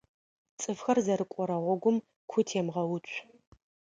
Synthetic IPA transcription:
t͡st͡sʼɨfxɐrzɐɾɨkʷʼɔɾɐʁʷɔɡʷʊm | kʷʰʊtʰeːmʁɐwʊt͡ʃʷʰʼ

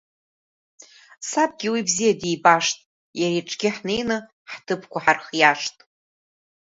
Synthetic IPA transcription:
sab̚ʼɡʲiwibzijadijbaʂtʼ | jaɾeʈ͡ʂʼɡʲɪħnejnɨ | ħtʰɨpʰkʷʰaħarχjaʂtʼ

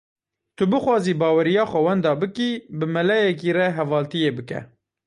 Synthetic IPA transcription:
t̪ʊbɨxwɑːziːbɑːwɛɾijɑːxʷɛwɛnd̪ɑːbɨkibɨmɨlɛjɛk̬iːrɛɦɛvɑːlt̪ijeːbɨkɛ̰

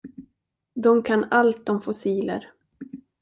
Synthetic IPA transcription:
d̪ɔmkʰanalt̪̚d̪ɔmfʊsiːlə̰ɾ

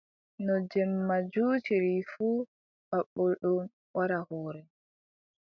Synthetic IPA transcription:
nɔd͡ʒɛmːad͡ʒuːtiɾifuː | baɓːɔlɗɔn | waɾahɔːɾɛ

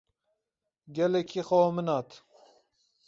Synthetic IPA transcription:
ɡʲɛlɛkʰixomɨnɑːt̪

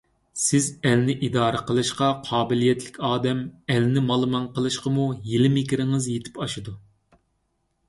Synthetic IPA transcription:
sɪzɛlnɪʔid̪ɑːɾəqʰəlˠɨʃqɑqʰɑːbɪlijɛt̪ʰlɪkʲʰɑːd̪ɛmɛlnɪmɑlˠmɑnqʰəlˠɨʃqəmujelɪmɪkʲiɾɪŋɨzjet̪ʰɪ̥pɑʃud̪u

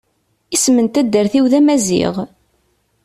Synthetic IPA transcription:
ismənt̪æd̪ːəɾθiwðæmæzḭʁ

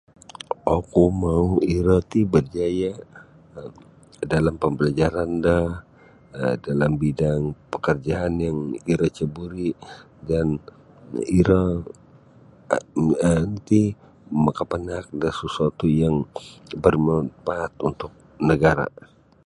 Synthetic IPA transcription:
okumauiɾot̪ibərd͡ʒaja | dalampəmbəlad͡ʒaɾandah | dalambidaŋpəkərd͡ʒaːnjaŋiɾət͡ʃəbuɾi | dan | iɾa | ənt̪i | məkəpənak̚dasəsuat̪ujaŋbərmət̪̚baːt̪unt̪ʊk̚ | nəɡaɾa̰

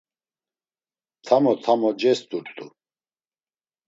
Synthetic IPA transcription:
t̪ʰamɔt̪ʰamɔd͡ʒɛst̪ʼuɾt̪ʼu

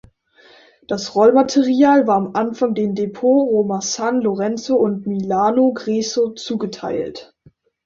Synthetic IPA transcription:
d̥asʁɔlmatʰeʁiaːlvaːɐamʔanfaŋdeːmdepʰoːʁoːmasanloʁɛnt͡soʊntmilaːnoɡʁeːsot͡suːɡətʰa̰ɪlt

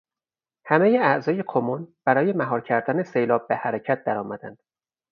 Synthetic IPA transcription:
hæme̞jeæʔzɒːje̞kʰomonb̥æɾɒːjemæɦɒːɾcʰæɾd̪æne̞sejlɒːb̚behæɾecʰæt̪̚d̪̥æɾɒːmæd̪æ̰nd̪̥

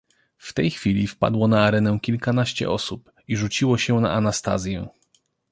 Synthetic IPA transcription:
ft̪ɛjxfʲilʲifpa̰d̪wɔnaːɾɛnɛ̃kʲilkanaɕt͡ɕɛ̰ʔɔsup | iʐut͡ɕiwɔɕɛna̰ʔanast̪a̰zʲjɛ

